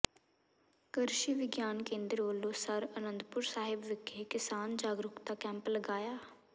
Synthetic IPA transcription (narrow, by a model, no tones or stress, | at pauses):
kəɾʃiːʋɪɡjaːnkẽːnd̪ɾʋəlːõːsəɾənə̃nd̪pʊɾsaːɦɪbʋɪkʰːeːkɪsaːnd͡ʒaːɡɾʊkt̪aːkɛ̃ːmpləɡaːjaː